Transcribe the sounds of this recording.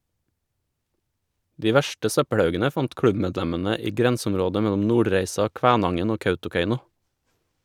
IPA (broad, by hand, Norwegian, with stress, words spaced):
ˈdiː ˈʋæʃʈə ˈsœpəɽˌhɑʉɡənə ˈfɑnt ˈkɽʉbˌmeːdˌʎɛmənə ˈiː ˈɡɾɛnsəʊmˌɾoːdə ˈmɛʎʊm ˈnuːɖɾæɪsɑ ˈkʋæːnɑŋən ˈoː ˈkœʉtʊˌkeɪnʊ